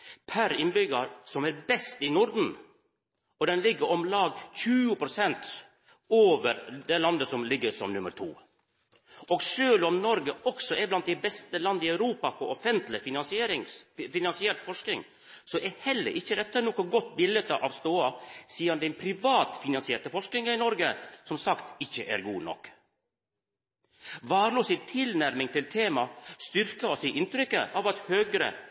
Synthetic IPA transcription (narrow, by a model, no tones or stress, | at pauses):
pʰæɾɪnbʏɡɑɾsɔmæɾbɛst̪ɪnʊɾd̪n̩ | ɔd̪ɛnlɪɡːəɾɔmlɑːɡçʉːʊpʰɾʊsɛnt̪ | oːʋəɾd̪ɛlɑnd̪əsɔmlɪɡːəsɔmnʉmːəɾt̪ʰṵː | ɔɡʂøːlɔmnɔɾɡəɔksɔʔɛɾblɑnt̪d̪æɪbɛst̪əlɑnd̪ɪæʉɾuːpɑpʰɔʔɔfɛnt̪lɪfɪnɑnsɪeːɾɪŋfɪnɑnsɪɛʈ̪fɔʂknɪŋ | sɔʔɛhɛlːə̰ɾʔɪçːəd̪ɛt̪ːənoːkɔɡɔt̪ːbɪlət̪əʔɑʋst̪oːɑsiːɑnd̪ɛɪpʰɾɪʋɑːt̪fɪnɑnsɪɛːʈəfɔʂknɪŋɑɪnɔɾɡəsɔmsɑkt̪ɪçːəʔæ̰ɾɡuːnɔ̰kː | ʋɑːɾɭuːsɪt̪ʰɪlnæɾmɪŋt̪ɪlt̪ʰeːmɑst̪ʏɾkɑɔsɪʔɪnt̪ɾʏkːə̰ʔɑːʋɑt̪høːɡɾə̰